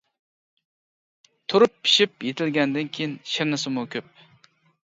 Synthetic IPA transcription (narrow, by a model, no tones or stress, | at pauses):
t̪ʰuɾupʰːi̥ʃipjet̪ʰɪlɡʲɛnd̪ɪnkʲʰejinʃɪɾnɪsɪmukʲʰøp̚